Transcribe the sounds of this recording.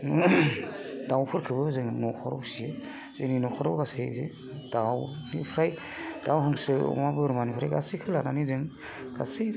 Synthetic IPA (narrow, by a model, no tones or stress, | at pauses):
dawpʰɯɾkʰɯbɯzɯŋnɔkʰɔɾɔ̰sijɯ | z̥eninɔkʰɔɾɔwɡasejze | d̥awnipʰɾaj | d̥awɦaŋsɯɔ̰mabɯɾmanipʰɾa̰jɡasɯjkʰɯlananizɯŋ | ɡ̥a̰sɯ